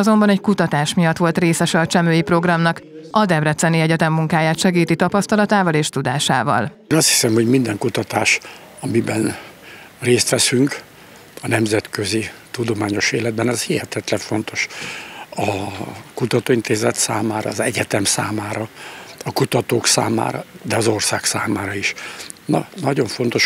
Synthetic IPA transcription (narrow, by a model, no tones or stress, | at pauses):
ɒzo̞mbɒnɛckut̪ɒt̪aːʃmijɒt̪ʋo̞lt̪reːsɛʃɛlt͡ʃɛmøːjipro̞ɡrɒmnɒk | ʔɒd̪ɛbrɛt̪sɛniɛɟɛt̪ɛmːuŋkaːjaːt̪ʃɛɡiːt̪it̪ɒpɒst̪ɒlɒt̪aːvɒleːʃt̪ud̪aːʃa̰ːvɒ̰l | nɒst̪hi̥sɛmho̞ɟmind̪ɛŋkut̪ɒt̪aːʃ | ɒmibɛn | reːst̪ʋɛsyŋk | ɒnɛmzɛt̪kø̞zit̪ud̪o̞maːɲo̞ʃeːlɛd̪̚bɛnɛzhihɛt̪ɛt̪lɛɱfo̞nt̪o̞ʃ | ɒkut̪ɒt̪oːint̪eːzɛt̪saːmaːɾɒ̰ːzɛɟɛt̪ɛmsaːmaːɾɒɒkut̪ɒt̪oːksa̰ːma̰ːɾɒ̰d̪ɛɒzo̞rsaːksaːmaːɾɒiʃnɒ̰nɒɟo̞ɱfo̞nt̪o̞ʃ